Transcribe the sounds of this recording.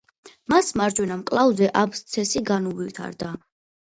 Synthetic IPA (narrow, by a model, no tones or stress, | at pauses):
masmaɾd͡ʒwɛnamkʼlˠavzɛʔapʰst̪sʰɛsiɡanuvlit̪ʰa̰ɾd̪a